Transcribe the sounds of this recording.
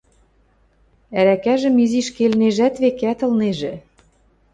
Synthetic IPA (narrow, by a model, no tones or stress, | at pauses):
æɾækæʒɘ̆miziʃkelneʒæt̪βekæt̪ɤ̆lneʒĕ